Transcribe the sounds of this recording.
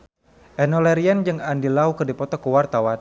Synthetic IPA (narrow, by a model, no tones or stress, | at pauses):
ʔɛnɔlɛɾiand͡ʒɨŋandilaukɨrdipɔt̪ɔkuwart̪awan